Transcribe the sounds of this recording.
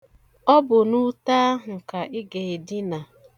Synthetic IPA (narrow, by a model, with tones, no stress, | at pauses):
ɔ˦bʊ˨nu˦ta˦ɦ̩˨ka˨ʔɪ˦ɡe˨e˨dɪ˦na˨